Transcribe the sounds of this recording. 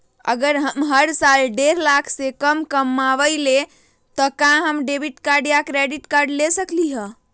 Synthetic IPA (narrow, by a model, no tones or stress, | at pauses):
ə̰ɡəɾɦəmɦəɾsalɖeɾlakʰsekəmkəmːaʋəjle | t̪ɔkãɦəmɖebiʈkaɾɖijakɾeɖiʈkaɾɖlesəkliɦə̃